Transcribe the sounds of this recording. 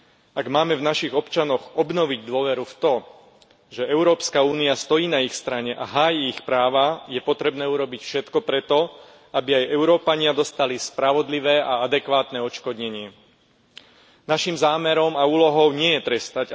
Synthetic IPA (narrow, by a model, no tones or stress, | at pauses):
aɡmaːmɛvnaʃiɣɔpt͡ʃanɔɣɔbnɔʋiɟd̪ʊɔʋɛɾuft̪ɔ | ʒɛɛʊɾɔːpskauːniast̪ɔjiːnaixst̪ɾaɲɛʔaɦaːjiːxpɾaːʋajɛpɔt̪ɾɛbnɛːuɾɔbicfʃɛt̪kɔpɾɛt̪ɔ | abiajɛʊɾɔːpaɲɪad̪ɔst̪alispɾaʋɔd̪liʋɛːʔaad̪ɛkʋaːt̪nɛɔt͡ʃkɔd̪ɲɛɲɪɛ | naʃimzaːmɛɾɔmauːlɔɦɔʊɲɪɛjɛt̪ɾɛst̪ac